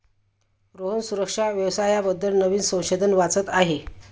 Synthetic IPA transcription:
ɾoɦənsuɾəkʂaʋjəʋsajabəd̪ʱːəlnəʋiːnsə̃w̃ɕed̪ʱənʋat͡sət̪aɦe

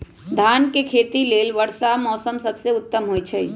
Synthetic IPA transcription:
d̪ʱaːnkekʰeːt̪ileːlʋəɽsamɔːsəmsəbseʊt̪ːəmɦoːjt͡ʃʰɛ

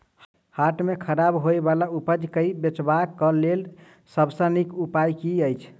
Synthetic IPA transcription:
haʈmekʰəɾabɦojbalaupəd͡ʒkəibet͡ʃbakːəlel | səbsənikupajkiəjt͡ʃʰ

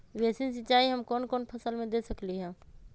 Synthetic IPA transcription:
ʋeːsɪns̬ɪt͡ʃaːiɦɐmkɔːnkɔːnpʰɐsəlmẽd̪eːsəkliɦɛ̃ː

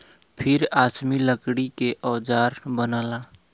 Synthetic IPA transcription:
pʰɪɾaːsmiləkɽikeʔɔːd͡ʒaːɾbənaːlaː

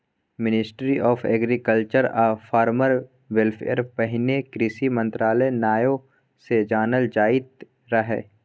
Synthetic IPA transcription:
mɪnɪsʈɾiʔɔːfʰḛːɡɾikəlt͡ʃəɾaːfaːɾməɾ | ʋelfʰḛɾpɐɦɪnekɾɪsimɐ̃nt̪ɾaːlənaːjõ | sed͡ʒaːnəld͡ʒaːɪt̪̚ | ɾɐɦḛː

